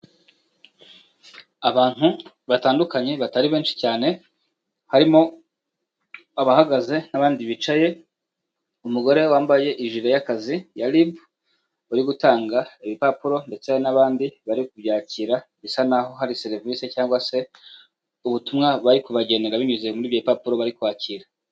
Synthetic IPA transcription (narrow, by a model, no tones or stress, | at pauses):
aβaːn̥hu | βataːndukaɲe̞βataɾiβe̞ːnʃi̥caːne̞ | haɾimo̞ | aβahaɡaze̞naβaːndiβit͡ʃaje̞ | umuɡo̞ɾe̞waːmbaje̞ʔiʒiɾajakazijalibu | uɾiɡutaːŋɡaiβipapuɾo̞nde̞t͡se̞naβaːndiβaɾikubjaːciːɾaβisanaho̞ɦaɾise̞ɾvise̞caːŋɡwase̞ | uβutumŋaβaɾikuβaɟe̞ne̞ɾaβiɲuzemuɾiːvjeːpapuɾo̞βaɾikuwaːciːɾa